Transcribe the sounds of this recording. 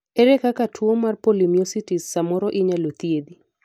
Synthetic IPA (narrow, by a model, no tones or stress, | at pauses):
eɾɛkakatʰwomarpolimiositisːamɔɾɔʔɪɲalot̪ied̪i